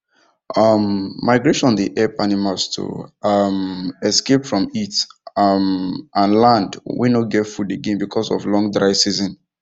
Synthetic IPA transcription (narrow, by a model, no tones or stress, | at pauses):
ʔʌmːaɪɡɹeʃɔ̃ndiʔɛpanimalstʰṵʌmɛskepfɹɔ̃mitʌmʔãnlãndwḭnoɡɛtfudeɡẽnbikʰɔsɔ̰vlɔ̃ŋdɹaɪsizɔ̃n